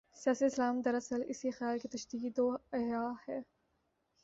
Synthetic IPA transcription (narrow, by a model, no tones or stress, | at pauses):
sijaːsiɪslaːmd̪ɐɾɐsəlɪsixɪjaːlkit̪ɐʃd̪iːkd̪oːɐɦjaːhɛː